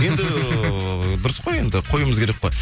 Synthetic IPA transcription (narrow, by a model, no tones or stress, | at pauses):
je̞nd̪ɪ | bɪɾɪsqoje̞nd̪ɪqʰo̞jəməzkʲʰeɾek̚pe